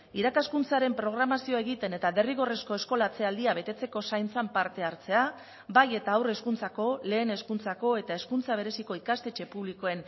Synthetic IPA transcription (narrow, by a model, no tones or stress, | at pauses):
iɾakaskunt͡saɾe̞mpɾo̞ɣ̞ɾamasio̞ae̞ɣit̪e̞ne̞t̪aβe̞riɣ̞o̞re̞sko̞e̞sko̞lat͡se̞ald̪iaβ̞e̞t̪e̞t͡se̞ko̞sajnt͡sampaɾt̪e̞aɾt͡se̞a | baje̞t̪aːwre̞skunt͡sako̞le̞ːne̞skunt͡sako̞e̞t̪ae̞skunt͡saβe̞ɾe̞siko̞ikast̪e̞t͡ʃe̞puβ̞liko̞e̞n